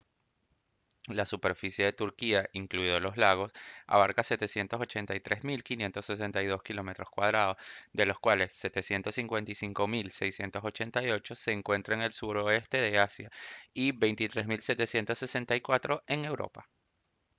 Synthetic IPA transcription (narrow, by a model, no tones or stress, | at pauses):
lasupe̞ɾfisje̞ðe̞t̪uɾkiaʔiŋkluiðolo̞zlaɣ̞o̞sa̰β̞aɾkase̞t̪e̞sje̞nt̪o̞so̞t͡ʃe̞nt̪ajt̪ɾʔe̞zmilkinje̞nt̪o̞se̞s̬e̞nt̪ajðo̞skilo̞met̪ɾoskwað̞ɾað̞osd̪e̞lo̞skwale̞sːe̞t̪e̞sje̞nt̪o̞sːiŋkwe̞nt̪isiŋko̞milsejsje̞nt̪oso̞t͡ʃe̞nt̪ajo̞t͡ʃo̞se̞ːŋkwe̞nt̪ɾaeŋe̞lsuɾoest̪e̞ðe̞asjaiβe̞jnt̪it̪ɾezmilse̞t̪e̞sje̞nt̪osːese̞nt̪ajkwat̪ɾo̞e̞ŋe̞wɾo̞̰pa